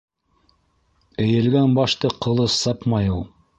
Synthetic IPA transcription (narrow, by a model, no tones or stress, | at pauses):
ɘ̆jɘ̆lɡænbɑʃt̪ɤqŏlˠɤsːɑpmɑjulˠ